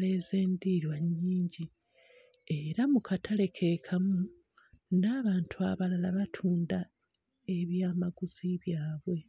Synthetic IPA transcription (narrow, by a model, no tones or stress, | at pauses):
le̞ːze̞ːndiɾwaɲːiːɲɟi | e̞ɾamukʰatʰale̞kʰe̞kʰamu | naːβaːntʰuaβalalaβatʰuːnda | e̞βjaːmaɡuz̥iβjaːβwe̞